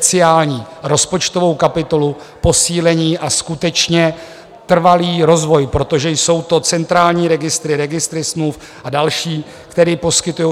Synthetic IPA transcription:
t͡sɪaːlɲiː | ɾo̞spo̞t͡ʃt̪ovo̞wkapɪt̪o̞lu | po̞siːlɛɲiːʔaskut̪ɛt͡ʃɲɛ | t̪r̩valiːɾo̞zvo̞jpɾo̞t̪o̞ʒɛjso̞wt̪o̞t͡sɛnt̪ɾaːlɲiːɾɛɡɪst̪ɾɪɾɛɡɪst̪ɾɪsmluf | ʔadalʃiː | kt̪ɛɾiːpo̞skɪt̪ujo

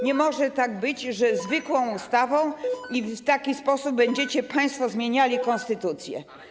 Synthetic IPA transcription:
ɲɛmɔʐɛt̪aɡ̚bɘd͡ʑʐɛzvɘkwɔ̃w̃ust̪avɔ̃w̃ift̪akʲispɔsub̚ːɛɲd͡ʑɛt͡ɕɛpaj̃st̪fɔzmʲjeɲalʲikɔ̃nst̪ɘt̪ut̪sʲjɛ̰

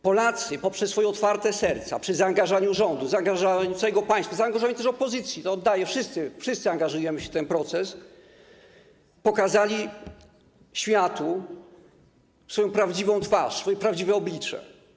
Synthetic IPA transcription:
pɔlat̪sɘpɔpʂɛsːfɔjɛɔt̪faɾt̪ɛsɛɾt̪sa̰pʂɘzaːŋɡaʐaɲuʐɔnd̪uzaːŋɡaʐaɲusajɛɡɔpaj̃st̪fazaːŋɡaʐovaɲʲit̪ɛʂɔpɔzɘt̪sʲjit̪ɔːd̪ːajɛfʂɘst̪sɘfʂɨst̪sɨaŋɡaʐujɛmɘɕɛt̪ɛnpɾɔt̪sɛs | pɔkazalʲi | ɕfʲjat̪u | sfɔjɔ̃w̃pɾavd͡ʑivɔ̃w̃t̪faʂsfɔjɛpɾavd͡ʑivɛɔblʲit͡ʂɛ̰

